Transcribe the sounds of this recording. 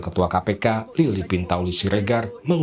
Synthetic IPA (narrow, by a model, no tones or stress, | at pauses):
kət̪uakapekalilipint̪awlisiɾeɡarməŋ